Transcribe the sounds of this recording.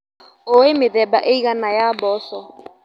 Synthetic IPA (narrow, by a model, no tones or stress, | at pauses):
oemeðɛbaʔeiɣanajabɔsɔ